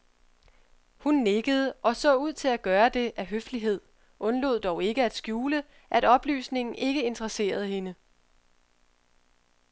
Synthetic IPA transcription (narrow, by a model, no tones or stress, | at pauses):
hunːeɡ̥əð̞̩ˠəʔɒ̽sɔ̰̽ːuð̞̰ˠt͡sʰe̝læɡ̥ɶːɐd̥e̝ʔæɦøfliɦe̝ð̰ˠ | ʔɔ̽nlo̝ðˠd̥ɒʊe̝ɡ̥əæd̥sɡ̥juːlə | ʔæɾ̥ɒ̽b̥ly̰ːsne̝ŋn̩ʔe̝ɡ̥əe̝nt͡sʰʁɐse̝̰ːɐð̞̩ˠhe̝nə